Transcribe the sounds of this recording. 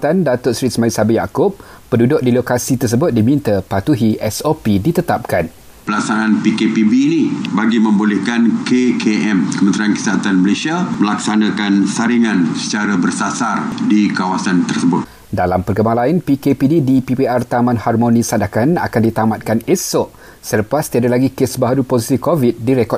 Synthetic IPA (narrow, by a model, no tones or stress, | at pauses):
t̪andat̪ʊt̪sɾitsmãisabijakʊp̚ː | ədudʊk̚dilokasit̪ərs̬əbʊt̪̚dimint̪əpat̪uɦiʔɛsopidit̪ət̪ap̚kan | pəlaksananpikepibiːnibaɡimə̃mbolɛhkankekʰeʔɛmkəmənt̪ɾiankə̥siaat̪anməlesiaməlaksanãkansaɾiŋansə̥t͡ʃaɾabərsasardikawasant̪ərsəbʊt̪̚ | dalampərɡəmaŋlainpikepididipipeʔart̪amãnharmõnĩsadakana̰kandit̪amat̪̚kanesɔʔ | sələpast̪iadalaɡikesbaɦaɾuposisikovit̪̚diɾɛkɔt̚